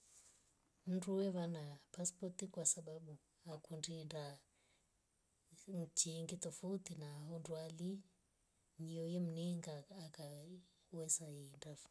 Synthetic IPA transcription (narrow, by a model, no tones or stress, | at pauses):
m̩nduwɛβanapaspɔtikwasaɓaɓu | akundiːnda | t͡ʃiːŋɡit̪ɔfutinaɦɔndwali | ɲiɔjɛm̩nɛŋɡaːka | wɛsaindaf